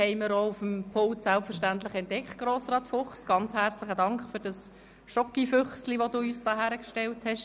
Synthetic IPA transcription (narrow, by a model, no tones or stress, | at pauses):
hɛɪməɾoufəmpʰʊltsælpfəɾʃtæntlɪχɛntːɛkχt̚ɡ̥roːsɾɑːtfʊχsɡ̥ɑnt͡shært͡slɪχədɑŋkχfyɾd̥ɑs | ʃɔkifʏχsliʋoduːyːsd̥ɑːɦæːɾəkʃtɛlthɛʃ